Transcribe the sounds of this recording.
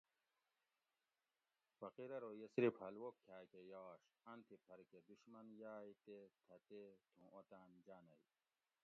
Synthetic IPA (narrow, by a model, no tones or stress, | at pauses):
fɐqiɾɐɾoːjɐsɾipɐlwokʰːjaːkejaːɕɐnt̪ʰipʰɐɾked̪uɕmɐnjaːjit̪et̪ʰɐt̪et̪ʰũːʔot̪aːnd͡ʑaːnɐj